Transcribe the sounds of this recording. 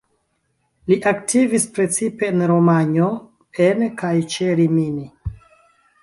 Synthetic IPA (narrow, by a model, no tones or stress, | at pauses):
liʔaktʰivispɾe̞t͡sipe̞nɾomaɲo | enkajt͡ʃeɾimini